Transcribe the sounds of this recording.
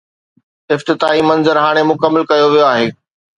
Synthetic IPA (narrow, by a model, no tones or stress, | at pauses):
ɪft̪ɪt̪aːimɐnzəɾɦaːɽ̃emʊkəmːəlkɐjoʋijoaːɦeː